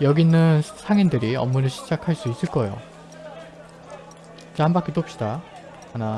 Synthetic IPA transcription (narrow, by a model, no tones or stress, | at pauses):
jʌɡinɯnsʰaŋindɯɾiʌ̰mːunɯɭɕʰi̥d͡ʑakʰaɭs͈uis͈ɯɭk͈ʌejo̰ | t͡ɕambak͈it͈opɕ͈ida | ana